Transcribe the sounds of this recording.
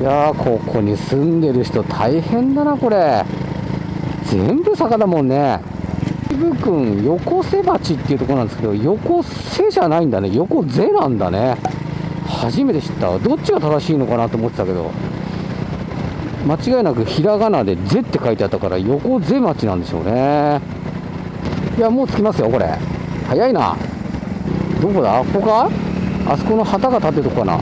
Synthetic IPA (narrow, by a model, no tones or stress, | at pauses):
jakʰo̞kʰo̞ɲ̟isɨ̃nd̪e̞ɾɯ̟çi̥t̪o̞t̪ʰaihẽ̞nd̪anako̞ɾe̞ | zḛ̃mbɯ̟sakad̪amõ̞nːe̞ | ibɯ̟kɯ̟̃ɰ̃jo̞ko̞se̞mat͡ɕit̪ːeiɯ̟t̪okonãnd̪eske̞d̪o̞jo̞ko̞ | se̞ʑanaĩnd̪ane̞jo̞ko̞d͡ze̞nãnd̪a̰ne | haʑime̞t̪e̞ɕi̥t̪ːa̰d̪o̞t͡ɕːiɡat̪ad̪aɕiːno̞kanat̪oːmo̞t̪ːet̪aked̪o̞̰ | mat͡ɕiɡaenak̬ɯ̟çiɾaɡanad̪e̞d͡ze̞t̪ːe̞kait̪eat̪ːakaɾa̰jo̞ko̞d͡ze̞mat͡ɕinã̰nd̪e̞ɕo̞̰ːne | ijamo̞ːt͡sɨ̥kʲimasɨjo̞ko̞ɾe̞̰ | hajaina̰ | d̪o̞ːkod̪ako̞ɡa | a̰soko̞no̞hat̪aɡat̪at̪ːeɾɯt̪okːokːana̰